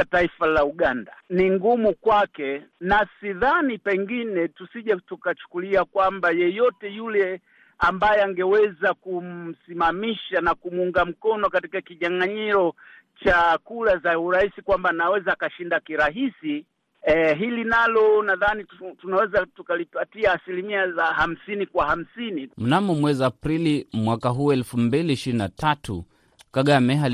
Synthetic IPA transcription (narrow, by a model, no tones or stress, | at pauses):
taifalauɠandaniŋɡumukwakɛnasiðanipɛŋɡinɛtusiʄatukat͡ʃu̥kuliakwambajɛjɔtɛjulɛ | ambajɛaŋɡɛwɛzakum̩simamiʃanakumuuŋɡam̩kɔnɔkatikakiɲaŋaɲiɾɔ | t͡ʃakuɾazauɾaisikwambanawɛzaːkaʃindakiɾaɦisi | ɦilinalɔnaðanitunawɛzatukalipatiaːsilimiazaham̩sinikwaham̩sinim̩namɔmwɛzaapɾilimwakaɦuɛlfumbiliːʃiɾinatʰatṵ | kaɠamɛɦal